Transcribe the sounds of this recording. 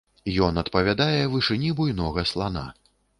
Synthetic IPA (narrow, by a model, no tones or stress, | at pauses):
jɔnɐt̪pɐvʲad̪ajɛvɨʂɨnʲibujnɔɣɐslˠana̰